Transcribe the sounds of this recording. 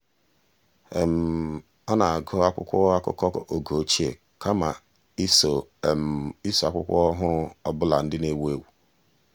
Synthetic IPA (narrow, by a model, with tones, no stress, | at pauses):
e˨m̩˨ | ɔ˦na˨a˨ɡo˦a˦kʷʊ̰˦kʷɔ˦a˦kʊ̰˦kɔ˦kɔ˨ʔo˨ɡo˨˦t͡ʃi˦ḛ˨ | kʰa˦ma˨ | i˦so˨ | i˦so˨a˨˦kʷʊ̰˦kʷɔ̰˦ɔ˦ɦʊ˦ɔ˦bʊ˦la̰˨n̩˦dɪ˦ne˦we˦˨wu˨